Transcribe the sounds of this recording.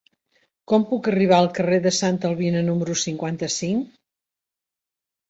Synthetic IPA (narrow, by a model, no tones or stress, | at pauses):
kɔmpukəriβ̞aəlˠkəreðəsant̪əlˠβinənuməɾusiŋkwant̪əsiŋ